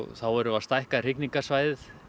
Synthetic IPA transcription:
θawɛɾʏvast̪ajhkar̥ɪkniŋkasvajðɪθ

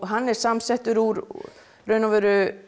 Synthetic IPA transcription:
ɦanːɛɾ̥samsɛht̪ʏɾuɾ | rœːɥnavɛɾʏ

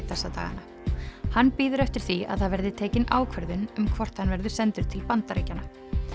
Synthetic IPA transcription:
θɛsat̪a̰ːɣa̰na | hanːpiːðʏɾɛft̪ɪɾ̥θia̰ðθaðvɛɾðɪt̪ʰeːcɪnʔaːwkʰvɛɾðʏnʏmkʰvɔr̥t̪hanvɛɾðʏ̥sɛnt̪ʏɾ̥t̪ʰɪlpant̪aɾejcːanːa

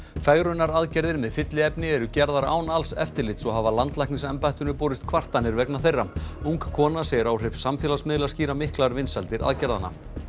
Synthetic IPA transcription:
faːɣɾʏnːaɾaðcɛɾðɪɾmɛðfɪt̪lɪɛpnɪɛɾʏcɛɾðaɾa̰ːwnalsɛ̰ft̪ɪɾlɪt̪sɔɦavalant̪lajknɪsɛmpajht̪ʏnʏpoːwɾɪst̪̚kʰvar̥t̪anːɪɾvɛknaθejrːamuŋkkʰɔːnasɛɾawr̥ɪvsamfjɛlasmɪðlasciːɾamɪhklaɾvɪnsalt̪ɪɾʔa̰ðcɛɾðana̰

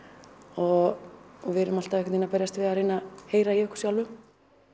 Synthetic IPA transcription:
ɔ | vɪɾʏmal̥t̪avɛkɛninapɛɾjast̪vɪðareːnaheːjɾaiʏhkʏ̥sjawlvʏm

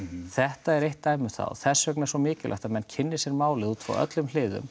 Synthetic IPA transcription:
θɛht̪aɛɾejht̪ːaːjmʏ̥θa̰wθɛsːvœknɛɾsvɔmɪːcɪlʔa̰ht̪amɛnːcʰɪnːɪsɛɾmaːwlɪðuːt̪ʰfɔ̰wʔœ̰t̪lʏml̥ɪːðʏ̰m

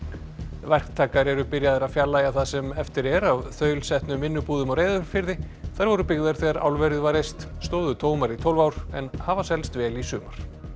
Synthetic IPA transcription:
vɛr̥kt̪ʰaːkaɾɛɾʏpɪɾjaðɪɾaðfjalːaːjaθaðsɛmɛft̪ɪɾɛɾavθœːɥlsɛht̪nʏmvɪnːʏpuːðʏmawɾejðʏɾfɪɾðɪθaɾvɔɾʏpɪɣðaɾ̥θɛɣaɾa̰wlvɛɾɪðvaɾejst̪st̪oːwðʏt̪ʰoːwmaɾit̪ʰowlvaːwɾ̥ɛnhavasɛlst̪vɛːlisʏːmaɾ̥

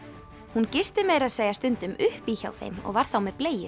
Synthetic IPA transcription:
huncɪst̪ɪmeːɾaðseːjast̪ʏnt̪ʏmʏhpiça̰wθḛjmɔ̰ɣvaɾ̥θawmɛðpleːjɪ

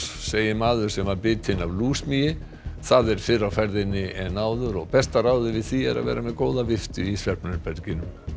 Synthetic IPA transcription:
seːjɪmaːðʏɾ̥sɛmapɪːt̪ʰɪnavluːsmijɪ | θaðɛɾ̥fɪrːawfɛɾðɪnːɪʔɛnaːwðʏɾɔɣpɛst̪araːwðɪvɪðθiɛ̰ɾa̰vɛ̰ːɾʔamɛðkoːwðavɪft̪ʏisvjalpnʏpɛɾcɪnʏm

